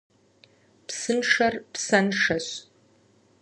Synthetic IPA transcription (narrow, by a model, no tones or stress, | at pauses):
psɨnʂɐrpsɐnʂɐɕ